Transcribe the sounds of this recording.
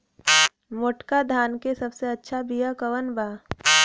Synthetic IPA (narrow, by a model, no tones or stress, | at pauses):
moʈkad̪ʱaːnkesɐbseɐtːʃʰabijakəʋənbaː